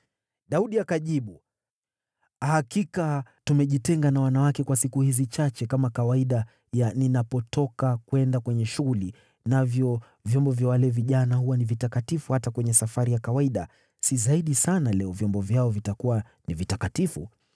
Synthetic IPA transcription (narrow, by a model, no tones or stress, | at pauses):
ɗauɗiakaʄiɓu | hahakikatumɛʄitɛŋɡanawanawakɛkwasikuhizit͡ʃat͡ʃɛkamakawaiɗa | janinapɔtɔkakwɛndakwɛɲɛʃuɣuli | navjɔ | vjɔmbɔvjawalɛviʄanahuwanivitakatifuhatakwɛɲɛsafaɾijakawaiɗa | sizaiɗisanalɛɔvjɔmbɔvjaɔvitakuwa | nivitakatifṵ